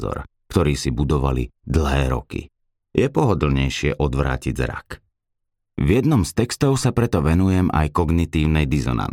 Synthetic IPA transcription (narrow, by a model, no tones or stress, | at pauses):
zɔ̰ɾkt̪ɔɾiːsibud̪ɔʋa̰lḭd̪l̩ˠɦɛːɾɔ̰kḭ | jɛpɔɦɔd̪l̩ɲɛjʃɪɛʔɔd̪ʋɾa̰ːciɟzɾa̰k | vjɛd̪nɔmst̪ɛkst̪ɔʊsapɾɛt̪ɔʋɛnujɛmʔa̰jkɔɡnit̪iːʊnɛjd̪izɔ̰na̰n